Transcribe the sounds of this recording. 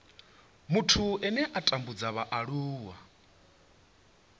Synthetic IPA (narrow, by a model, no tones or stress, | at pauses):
mutʰuɛnɛʔatʼambud͡zaβaʔaɺuːwa